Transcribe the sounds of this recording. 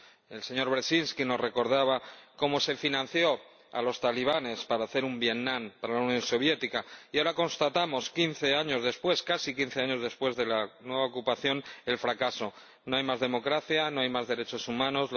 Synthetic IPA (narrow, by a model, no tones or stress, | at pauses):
e̞lse̞ɲo̞ɾβɾesinskino̞sre̞ko̞ɾð̞aβ̞ako̞mo̞se̞finãnθjo̞ | a̰lo̞st̪aliβ̞ane̞spaɾaːθe̞ɾumbje̞tnãmpaɾalaunjõ̞nso̞β̞je̞t̪ikaiaoɾako̞nst̪at̪amo̞skinθe̞aɲo̞zðe̞spwe̞skasikin̟θe̞aɲo̞zðe̞spwe̞zðe̞lanwe̞βaokupaθjo̞ne̞lfɾakaso̞ | noajmazðe̞mo̞kɾaθjanoajmazðe̞ɾe̞t͡ʃo̞sumãno̞z